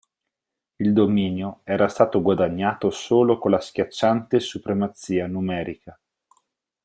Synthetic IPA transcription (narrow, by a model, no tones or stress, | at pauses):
ild̪omiːnjoɛːɾast̪aːt̪oɡwad̪aɲːaːt̪osoːlokolaskʲjat͡ʃːant̪esupɾemat̪sːiːanumɛːɾika